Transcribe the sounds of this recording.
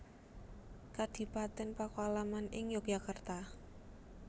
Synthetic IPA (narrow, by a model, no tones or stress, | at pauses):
kad̪̥i̤pat̪ɪnpakoalamanɪŋjɔk̚jakart̪a